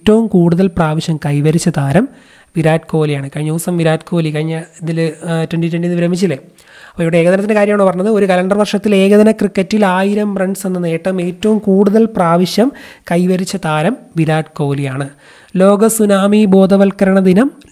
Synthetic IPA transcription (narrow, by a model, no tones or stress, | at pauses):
tːɐʋumkuːɽuðɐlpraːʋiɕjɐmkɐjʋɐɾit͡ɕːɐt̪aːɾɐm | ʋiɾaːɖko̞ːlijaːɳɨkɐɻiɲːɐːsɐmʋiɾaːɖkʰo̞ːlikɐɻiɲːɐiðiltwenɖitwenɖinɨʋiɾɐmːit͡ɕːilːe | ɐpːoːiʋuːɽeeːɣɐðɐnɐt̪ːindekaːɾjɐmaːɳopɐrɐɲːɐðɨo̞ɾukɐlɐɳɖɐrʋɐrʂɐt̪ːile̞ːɡɐðɐnɐkrikːɐtːilaːjiɾɐmbrɐɳɖsenːɨneːʈːɐme̞ːtːɐʋumkuːɽuðɐlpraːʋiɕjɐmkɐjʋɐɾit͡ɕːɐt̪aːɾɐmʋiɾaːɖko̞ːlijaːɳɨ | lo̞ːɡɐsunaːmibo̞ːd̪ɐʋɐlkɐɾɐɳɐd̪inɐm